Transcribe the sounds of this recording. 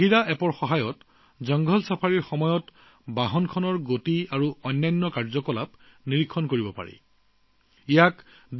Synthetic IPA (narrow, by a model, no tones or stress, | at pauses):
iɹaʔɛpɔɹxɔɦajɔt | zɔŋɡʱɔlsapʰaɹiɹxɔmɔjɔt | baɦɔnkʰɔnɔɹɡotiaɹuɔjnːajnːɔkaɹzɔkɔlap | niɹikʰːɔnkoɹibɔpa̰ɹɛ̰ | ijak | d